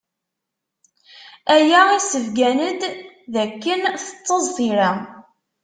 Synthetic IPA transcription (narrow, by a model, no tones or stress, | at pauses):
æjæisəvɡænəd̪ðækːənθə̥t͡s̪ˤːəzˤːiɾæ